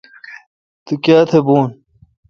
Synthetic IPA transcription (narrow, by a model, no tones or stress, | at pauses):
t̪ikjaːt̪ʰebuːn